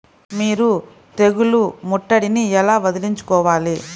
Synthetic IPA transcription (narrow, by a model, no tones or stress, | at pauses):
miːɾu | t̪e̞ɡulumɔʈːɐɽiniɛlaːʋɐd̪uliɲt͡ʃu̥kɔːʋaːli